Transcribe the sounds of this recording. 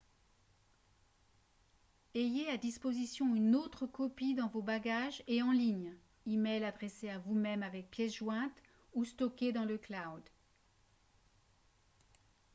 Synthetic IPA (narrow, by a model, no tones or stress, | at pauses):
ejead̪ispozisjɔ̃ynot̪χəkɔpid̪ɑ̃vobaɡaʒeɑ̃liɲ | imɛjlad̪ʁɛseavumɛmavɛk̚pjɛsʒwɛ̃t̪ | ust̪ɔkʲed̪ɑ̃ləklawd̪